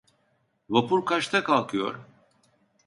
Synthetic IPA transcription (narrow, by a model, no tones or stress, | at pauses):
vapuɾkʰaʃt̪ʰakʰalˠkʰɯjo̞̰ɾ